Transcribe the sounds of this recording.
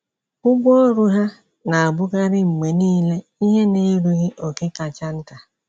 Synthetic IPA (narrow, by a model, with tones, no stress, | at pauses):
ʊ˦bo˦ɾʊ˦ɦa˦ | na˨a˨bʊ˦ɡa˦ɾɪ˦m̩˨me˨niː˦le˦ | i˦ɦe˦ne˦ɾu˦ɣɪ˦ʔo˨kɪ˦ka˨t͡ʃa˦n̩˦ta˨